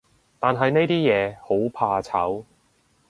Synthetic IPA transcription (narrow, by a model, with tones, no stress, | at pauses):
t̪aː˨nɦɐ˨jne˥jt̪iː˥jɛː˨˧ho˨˥wpʰaː˧t͡sʰɐ̰˨˥w